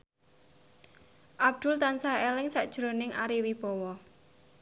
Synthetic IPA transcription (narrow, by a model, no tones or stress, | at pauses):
ʔab̚d̪̥ʊ̤lt̪ansaelɪŋsaʔd̥ʒ̥ɾonɪŋaɾiwib̥ɔwɔ